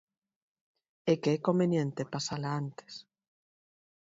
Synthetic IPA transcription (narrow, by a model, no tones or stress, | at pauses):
ekeɛkombenjent̪epasalaant̪e̥s